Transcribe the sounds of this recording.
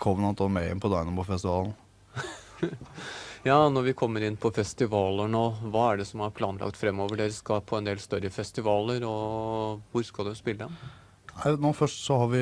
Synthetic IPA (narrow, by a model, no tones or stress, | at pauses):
kʰɔmnɑnt̪ʰɑlmɛɪ̰npʰɔd̪ɑɪnɔmpʰɔfɛst̪ɪʋɑːln̩ | jɑːnɔɾʋɪkʰɔmːəɾɪnːpʰɔfɛst̪ɪʋɑːləɳoːʋɑːæɖɛsɔmɑɾpʰlɑːnlɑ̰kt̪fɾɛmːoːʋəɖeːɾəskɑpʰɔɛnd̪eːlst̪œɾəfɛst̪ɪʋɑːləɾɔ | ʋʊɾskɑld̪ʉspɪlːəɛn | næɪnuːfœʂʈsɔhɑɾʋɪ